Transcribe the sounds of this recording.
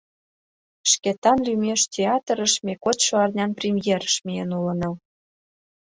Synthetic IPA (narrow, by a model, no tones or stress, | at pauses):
ʃket̪ɑnlʲymeʃtʲeɑt̪ɾə̆ʃmʲekot̪ʃoɑrnʲɑnprʲimjeɾəʃmijenulə̆nɤ̆l